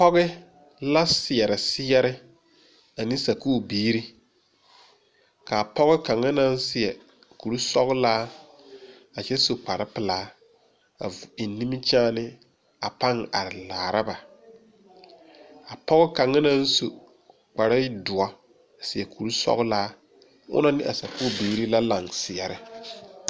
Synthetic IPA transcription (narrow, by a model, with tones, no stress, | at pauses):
pɔ˦ɣɪ˦ | la˦sɪ˨ɛ˨ɾɪ˨sɪ˦jɛ˦ɾɪ˦ | a˨nĩ˦sa˨kuː˦˨biː˦ɾi˦ | ka˨pɔ˦ɣɪ˦ka˨ŋa˦na˦n˦sɪ˨ɛ˨ | ku˨ɾu˦sɔ̰˦ɣlaː˦ | a˨t͡ʃɛ˦so˨k͡pa˨ɾɪ˦pɪ˨laː˨˦ | a˨i˨˦ni˦mi˦t͡ʃɛ˦nɪ˦ | a˨pa˦ŋa˨ɾɪ˨laː˨ɾa˦ba˨ | a˨pɔ˦ɣɪ˦ka˨ŋːa˦na˦n̩˦so˨ | k͡pa˨ɾɪ˦dʊ˨a˨ | sɪ˨ɛ˨kʰu˨ɾu˦sɔ̰˦ɣʊ˦laː˦ | ʊ̰˦na˦nɪ˦ʔa˨sa˨ku˦˨biː˨˦ɾi˦la˦la˨ŋsɪ˨ɛ˨ɾɪ˦